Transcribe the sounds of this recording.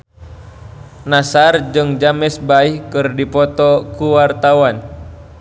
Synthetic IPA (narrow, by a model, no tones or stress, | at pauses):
nasard͡ʒɨŋd͡ʒamɛsbaihkɨrdipɔt̪ɔkuwart̪awan